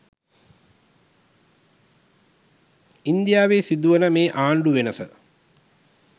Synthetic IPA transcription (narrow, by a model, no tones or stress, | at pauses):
ind̪ijaːʋeːsid̪uʋənəmeːʔaːɳɖuʋenəsə